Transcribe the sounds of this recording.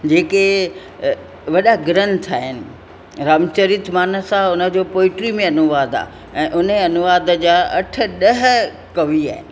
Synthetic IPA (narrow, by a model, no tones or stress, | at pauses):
d͡ʑeːke | ʋɐɗaɡɾən̆t̪ʰaːɦɪnɪ̆ | ɾaːmt͡ɕəɾit̪ʰmaːnə̆saʊnə̆d͡ʑoːpoːɪʈɾimẽɐnʊʋaːd̪a̰ː | ɛ̃ːʔʊneɐnʊʋaːd̪̆d͡ʑaːɐʈʰə̆ɗɐɦ̆ | kɐʋia̰ːɦɪ̰nɪ̆